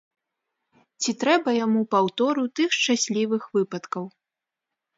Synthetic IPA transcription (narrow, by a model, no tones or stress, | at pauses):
t͡sʲit̪ɾɛbɐjamupawt̪ɔɾut̪ɨxʂt͡ʂasʲlʲivɨxvɨpɐt̪kɐw